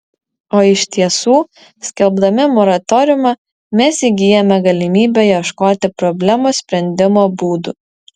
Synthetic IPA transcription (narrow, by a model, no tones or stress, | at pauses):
oːɪʃʲt̪ʲiɛsuː | sʲkʲɛlˠbd̪ɐmʲɪmɔɾɐt̪ɔɾʲʊmɐ | mʲɛsiɡʲiːjɛmʲɛɡɐlʲɪmʲiːbʲɛjɛʃkoːt̪ʲɪpɾɔbʲlʲɛmusʲpʲɾʲɛnʲd̪ʲɪmoːbuːd̪ṵ